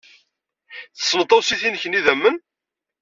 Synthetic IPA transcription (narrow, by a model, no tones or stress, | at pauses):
θə̥sːəmt̪ˤːɑwsiθinçəniðæmːən